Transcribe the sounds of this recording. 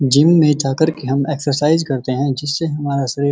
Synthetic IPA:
d͡ʒɪmːẽʈʰaːkəɾkiɦɐmeːksəɾsaːɪzkɐɾt̪eɦɛ̃d͡ʒɪsːeɦɐmaːɾasɐɾiː

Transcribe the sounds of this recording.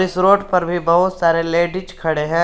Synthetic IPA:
ɪsɾoːʈpɐɾbʱibəɦʊt̪saːɾeleːɖɪt͡ʃkʰɐɽeɦɛ̃ː

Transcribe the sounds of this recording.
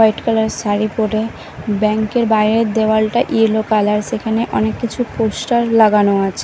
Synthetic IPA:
ɔjʈkalaɾsaɾipoɾe | bɛŋkeɾbajɾed̪eoalʈaʔilokalaɾʃekʰaneʔɔnekːit͡ɕʰupoʃʈaɾlaɡanoat͡ɕʰe

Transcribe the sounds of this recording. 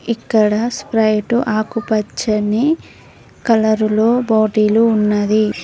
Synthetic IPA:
ikːɐɽɐspɾɐjʈuʔaːkupɐt͡ʃːɐni | kɐlɐɾulo̞ːboːʈiːluːnːɐd̪i

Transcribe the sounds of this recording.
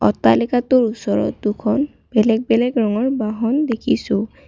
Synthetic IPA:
ɔ̰talɛkatʊɹusɔɹɔ̰tdukʰɔn | b̥ɛlɛk̚bɛlɛɡɹɔŋɔɹbaɦɔndekʰisʊ̃

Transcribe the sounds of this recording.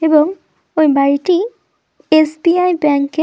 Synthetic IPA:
ebɔŋ | ojbaɹiti | esbiajbaŋkːe

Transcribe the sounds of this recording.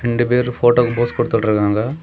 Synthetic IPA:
ɾɛɳɖɯpeːɾɯfoːʈoːkɐboːskɔɽɯt̪ːɐɽɐɾɯkːaːŋɡɐ

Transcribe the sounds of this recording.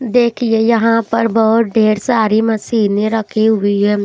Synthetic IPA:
d̪eːkʰiejɐɦãpɐɾbɐɦʊt̪̚ɖʱeːɾsaːɾimɐsiːneɾɐkʰiɦʊiɦɛ̃

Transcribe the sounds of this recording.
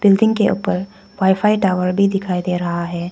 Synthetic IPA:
b̥ɪlɖɪ̃ŋɡkeʔṵːpəɾ | ʋaːɪfʰaːiʈaːʋəɾbʱid̪ɪkʰaːid̪eːɾɐɦaɦɛː

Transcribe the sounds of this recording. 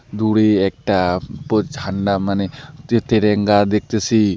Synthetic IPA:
d̪uɽeɛk̚ʈapod͡ʒʱaɳɖamanet̪eɾeŋɡaɾd̪ek̚ʰt̪esʰi

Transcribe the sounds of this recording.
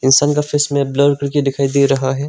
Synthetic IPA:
ɪnsaːnkafɪsmẽblɔːɾkɐɾked̪ɪkʰaːid̪eɾɐɦaɦɛː

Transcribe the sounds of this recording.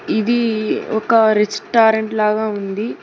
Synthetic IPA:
id̪iɔkɐɾisʈaːɾeɳʈlaːɡaːund̪i

